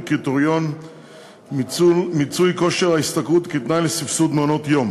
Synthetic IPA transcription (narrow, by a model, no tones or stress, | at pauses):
kit̪oʁjon | mit͡sujko̞ʃeʁaist̪akut̪kit̪najlesifsud̪mono̞t̪jom